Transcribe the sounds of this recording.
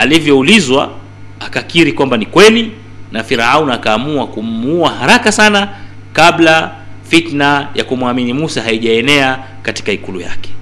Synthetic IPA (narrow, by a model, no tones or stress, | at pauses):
alivjɔulizwa̰ | akakiɾikwambanikwɛli | nafiɾaaunakaːmuakummuuahaɾakasana | kaɓla | fitnaja̰kumwaminimusahaiʄaɛnɛa | kati̥kaikulṵja̰kɛ̥